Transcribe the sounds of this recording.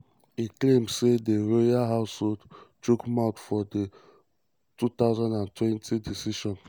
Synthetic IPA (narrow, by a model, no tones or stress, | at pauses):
iklẽmdsedeɹojaɦaʊsholdt͡ʃukmatfɔde | tut̪aʊzãndãntwɛ̃ntʰidisiʃɔ̃n